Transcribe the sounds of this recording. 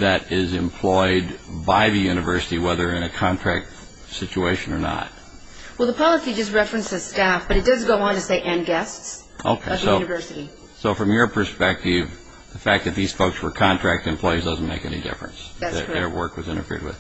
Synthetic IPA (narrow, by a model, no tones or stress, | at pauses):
ðɨɾɪzɨ̃mpʰl̥ɔɪd̚baɪðɨjʉnɨvɜ˞sɨɾiwɛðə˞ɨ̃nɨkʰɑ̃ntʰɹ̥æk̚t | sɪt͡ʃueɪʃɨ̃nə˞nə̰t̚ | wɛlˠðəpʰɑlˠəsid͡ʒʌst̚ɹɛfɹɨ̃nsɨstæfb̥ʌɾɨt̚d̥ʌzɡoʊə̃ntɨseɪʔɨ̃nɡɛsts | ʔo̰ʊkʰeʌðoʊnɨvɜ˞sɨɾi | soʊfɹʌ̃mjə˞pʰə˞spɛk̚tɪv | ðəfæk̚ðɨt̪̚ðiz̥foʊkswə˞kʰɑ̃ntʰɹ̥æk̚tɨ̃mpʰl̥ɔɪizdʌzn̩meɪkɛ̰nḭdɪ̰fɹɨ̰̃nsðɨ̰ə˞wɜ˞kwʌzɪ̃ñə̰fɪ̰ɹd̚wɨ̰ð̥